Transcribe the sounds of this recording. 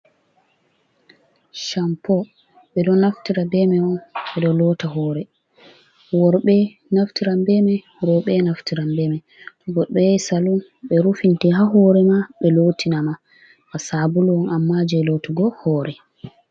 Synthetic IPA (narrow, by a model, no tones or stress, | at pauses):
ʃampɔ | ɓɛɗɔnaftiɾabɛmɛɔnɓɛɗɔlɔtaɦɔːɾɛ | wɔɾɓɛ | naftiɾambɛmɛ | ɾɔɓɛnaftiɾambɛmɛ | tɔɡɔɗɔjsalunɓɛɾufintiɦaɦɔːɾɛmaɓɛloːtʰinama | kasabuluɔnamːad͡ʒɛlotuɡɔhɔːɾɛ